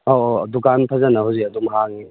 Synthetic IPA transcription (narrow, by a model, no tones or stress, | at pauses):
odukanpʰazanaɦawziɐdumɦaŋi